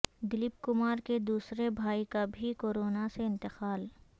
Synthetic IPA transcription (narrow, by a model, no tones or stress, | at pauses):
d̪ɪlɪp̚kʊmaːɾked̪uːsɾebʱaːikabʱikoːɾoːnaseɪ̃nt̪ɪqaːl